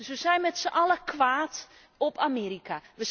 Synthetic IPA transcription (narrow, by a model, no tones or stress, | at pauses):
sʋəsɛjnmɛtsəʔɑləkʋaːt | ɔpʰameːɾikʰaʋə